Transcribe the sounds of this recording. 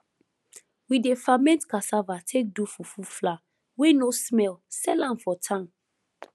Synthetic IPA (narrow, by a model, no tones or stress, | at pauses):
widefamɛ̃ntkasavatʰek̚dufufufla | wenosmɛlsɛlãmfɔtʰãm